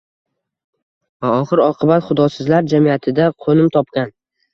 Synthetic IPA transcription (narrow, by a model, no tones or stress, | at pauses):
vaɒχɨɾɒqʰɨbat̪χʊd̪ɒsɪzlaɾd͡ʒamijat̪ʰɪd̪aqʰonɪmt̪ʰɒp̚kʲan